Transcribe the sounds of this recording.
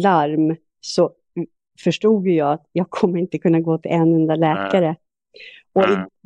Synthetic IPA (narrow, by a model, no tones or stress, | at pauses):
laɾm | sɔ | fœʂʈuːɡjɵjɑːat̪jɑːɡ̚kʰɔmːəɾɪnt̪əkʰɵnːaɡoːt̪ʰɪlʔɛnːɵnd̪alɛːkaɾə | ɔɪ